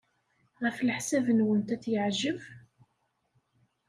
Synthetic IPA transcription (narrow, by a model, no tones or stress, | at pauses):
ʁəflħsævənwənt̪æt͡sːjəʕʒəv